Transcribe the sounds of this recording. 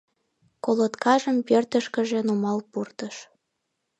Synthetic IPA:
kolot̪kʰɑʒəmpørt̪əʃkə̆ʒĕnumɑlpurt̪əʃ

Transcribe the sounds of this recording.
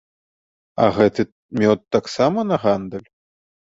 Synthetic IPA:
ɐ̰ɣɛt̪ɨ | mʲɔt̪ːaksamɐnɐɣand̪ɐlʲ

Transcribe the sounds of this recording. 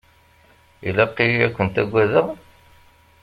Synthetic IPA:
ilæqːiækʷːənt̪æɡʷːæðəʁ

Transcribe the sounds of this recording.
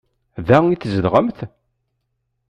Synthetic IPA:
ðæiθzəd̪ʁəmθ

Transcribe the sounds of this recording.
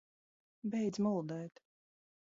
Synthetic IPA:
bɛjd̪zmulˠd̪ɛːt̪

